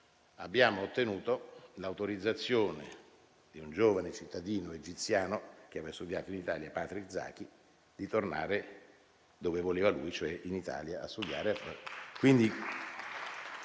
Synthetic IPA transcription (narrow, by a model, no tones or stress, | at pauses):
abːjaːmoːt̪ːenuːt̪olawt̪oɾid̪zːat̪sːjoːnḛ | d̪iund͡ʒoːvanet͡ʃit̪ːad̪iːnoed͡ʒit̪sjaːnok̟eavɛst̪ud̪jaːt̪oinit̪aːljapaːt̪ɾikd̪za̰ːk̟i | d̪it̪orna̰ːɾe | d̪oːvevoleːvalujt͡ʃoɛʔinit̪a̰ːljaʔast̪ud̪ja̰ːɾeafakwind̪i